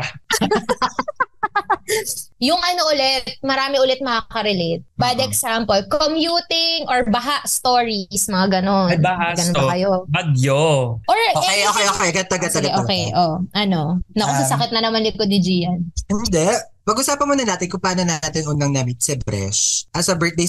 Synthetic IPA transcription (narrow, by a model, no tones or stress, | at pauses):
jʊŋɐnoʔʊlɛt̪̚mɐɾaːmɛʔʊlɛt̪̚mɐŋakɐɾɛlɛt̪̚bɐjd̪ɛksampolkomjuːt̪ɪŋʔoɹbɐɦaʔst̪oːɹismɐŋaɡɐnonaɡɐnbkɐjobɐɡjoʔoɹoɛjʔokɛjʔokɛɐɡɐt̪ɐɡɐt̪ɐɡɐʔoːkɛjʔoʔɐno̞nɐʊɐsɐkɪt̪nɐnɐmanlɪkod̪̚nɪd͡ʒiːjɐnɪnd̪ɛ | pɐɡʔʊsaːpɐnmonɐnaːt̪ɪnkʊŋpaːnɐnaːaːt̪ɪnʔʊnːɐŋnamɪt̪sɛbɾɛ̰ʃʔɐsɐbɛ˞t̪̚d̪ej